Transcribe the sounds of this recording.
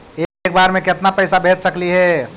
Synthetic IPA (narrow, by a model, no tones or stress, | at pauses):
ek̚baːɾmẽkɪt̪napɛɪsabʱeːt̪sɐkliɦɛː